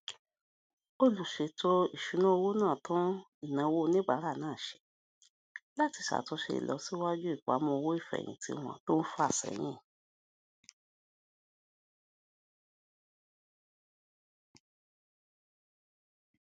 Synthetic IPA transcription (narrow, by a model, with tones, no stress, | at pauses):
o˦lu˨ʃe˧˦to˦i˨ʃu˨˦nũ˦o˧wo˦nãː˦˨tũ˦ | i˨nã˨˦wo˦nĩ˦ɡ͡ba˨˦ɾa˦˨nãː˦˨ʃe̥˨˦ | la˦ti˧ʃa̰˨to˧˦ʃḛ˧ḭ˨lɔ˨˧si˦wa˦d͡ʒu˦i˦˨k͡pa̰˨˦mɔ̃˧˦o˧wo˦i˦˨fɛ̰˨j̃ḭ̃˨tʰḭ˧˦w̃ɔ̃˦˨to˦n̩˦fu˦a˨sɛ̰˨j̃ĩ˦˨